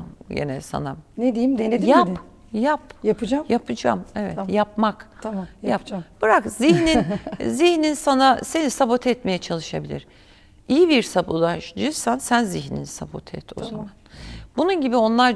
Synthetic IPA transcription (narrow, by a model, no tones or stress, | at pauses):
mjḛnɛ̰sa̰na̰mned̪ijmned̪jap | japjaɯd͡ʒamjapʰɯd͡ʒa̰mɛvɛ̰t̪japmak̪jjapb̥ɯɾakziçninziçninsanase̞nisabo̞t̪ʰɛt̪me̞jɛt͡ʃʰalˠɯʃabilʲḭɾ | ijibiɾsabolˠaʃd͡ʒɯɾsansænziçnḭnisabo̰t̪ʰɛ̰t̪o̰za̰manbununɟibio̞nlˠaɾ